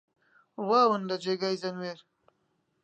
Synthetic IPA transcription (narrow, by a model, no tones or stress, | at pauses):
waːwənd̪ad͡ʒeɡajzanweɾ